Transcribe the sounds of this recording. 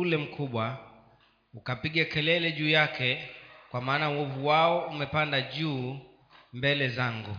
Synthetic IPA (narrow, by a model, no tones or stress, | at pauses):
ulɛm̩kʰuɓwa | ukapiɠakɛlɛlɛʄuːjakɛkwamaːnawɔvuwaɔumɛpandaʄuː | mbɛlɛzaŋɡu